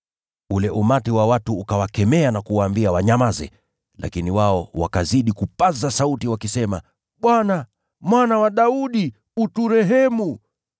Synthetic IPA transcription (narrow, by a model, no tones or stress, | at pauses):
ulɛʔumatiwawatuːkawakɛmɛanakuwaːmbiawaɲamazɛ̰ | lʔa̰kiniwaɔwakaziɗikupazasautiwakisɛma | ɓwana | mwanawaɗauɗi | utuɾɛɦɛmu